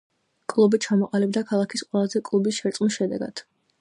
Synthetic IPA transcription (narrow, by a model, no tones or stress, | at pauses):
kʼlˠubit͡ʃʰamɔqʼalibd̪akʰalˠakʰisqʼwɛlˠazɛkʼlˠubisʃɛɾt̪sʼmisʃɛd̪ɛɡa̰d̪̥